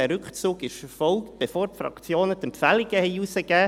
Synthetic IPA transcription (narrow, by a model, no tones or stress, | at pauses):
ɛɾʏkt͡suːɡɪʃəfɔlkt̚b̥efoːɾtfɾɑ̰kt͡sjoːnətɛmpfæliɡ̥əhɛɪusəɡæː